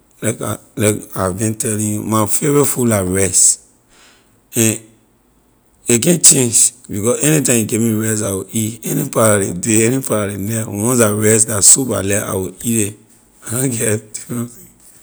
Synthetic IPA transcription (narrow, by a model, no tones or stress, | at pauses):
laka̰lakabĩntɛlĩjumafevɛfulaɹɛs | ɛ̃n | ek̬ɛ̃nt͡ʃẽnd͡ʒbikɔsɛnitãɪ̃mikẽmiɹɛstawoʔitɛnipaɾaɾḛdeɛnipaɾaɾenɛwɔ̃nsaɹɛsdasuba̰lɛa̰wiiɾe | adɔ̃ɡɛti